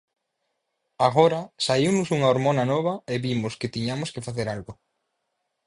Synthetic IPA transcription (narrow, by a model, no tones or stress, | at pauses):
aɣoɾɐsaiwnʊsuŋaoɾmonɐnɔβ̞ɐeβimʊskɪt̪iɲamʊskefaθeɾalɣo